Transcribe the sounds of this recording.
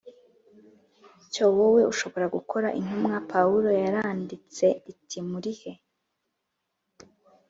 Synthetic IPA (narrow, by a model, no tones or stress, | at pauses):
cowowe̞ʔuʃo̞βo̞ɾaɡukʰo̞ɾaʔin̥umŋapʰauɾo̞jaɾaːndit͡se̞itʰimuɾihe̞